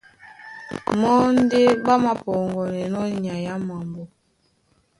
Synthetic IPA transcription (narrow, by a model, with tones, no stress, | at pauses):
mɔ˦n̩˦de˦ba˦ma˨pɔ˨ŋɡɔ˨nɛ˨nɔ˦ɲa˨ja˦ma˨mbɔ˨